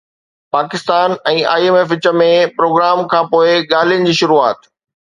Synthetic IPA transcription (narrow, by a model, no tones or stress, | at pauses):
paːkɪst̪aːnɛ̃ːa̰ːiemeːf̬ɪt͡ɕə̆mẽpɾoːɡɾaːmkʰãːpoːɪɠaːl̤ijənɪ̆d͡ʑiːʃʊɾuaːt̪